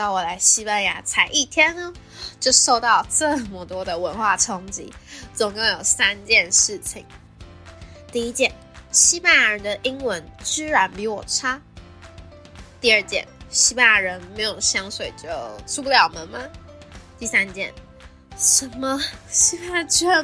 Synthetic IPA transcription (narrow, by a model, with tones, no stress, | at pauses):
t̪ɑ˥˩ʊwɔ˨˩la˧˥ɪɕi˥pa˥˧nja˧˥t͡sʰa˧˥ɪʔi˥˩t̪ʰjɛ˥nə˧ | t͡ɕjo˥˧ʊʂo˥˧ʊt̪ɑ˥˧ʊʈ͡ʂə˥˩mə˩t̪wɔ˥d̪ə˨wə˧˥nxwa˥˩ʈ͡ʂʰɑ˥ŋt͡ɕḭ˧˥˦t͡sʊ˨˩ŋkʊ˥˩ŋjo˨˩ʊsa˥nt͡ɕjɛ˥˧nʂɻ̩˥˩t͡ɕʰḭ˨˩˦ŋ | t̪i˥˧i˥t͡ɕjɛ˥˩n | ɕi˥pa˥˩nja˧˥ɻə˧˦nd̪ə˧ʔi˥ŋwə˧˥nt͡ɕ̩˥ɻa˧˥npi˧˥wɔ˨˩ʈ͡ʂʰa˥ | t̪i˥˧ə˞˥˩t͡ɕjɛ̰˥˩nɕi˥pa˥˧nja˧˥ɻə˧˥nme˧˥ɪjo˨˩ʊɕjɑ˥ŋʂwe˨˩ɪt͡ɕjo˥˩ʊʈ͡ʂʰu˥pu˥ljɑ˨˩ʊmə˧˦nmɐ˨t̪i˥˩sa˥nt͡ɕjɛ̰˥˩n | ʂə˧˥nmə˧ɕi˥pa˥˧nja˧˥t͡ɕ̩˥ɻə˧˥